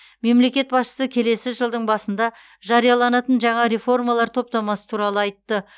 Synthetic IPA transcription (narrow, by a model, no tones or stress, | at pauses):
me̞mle̞kʲe̞t̪̚bɑsʃə̥səkʲʰe̞le̞sɪʒəlˠd̪əɴbɑsənd̪ɑ | ʒɑɾijɑlˠɑnɑt̪ənʒɑɴɑɾe̞fo̞rmɑlˠɑɾt̪ʰo̞p̚t̪ɑmɑsə̥t̪ʰuɾɑlˠəɑjt̪ːə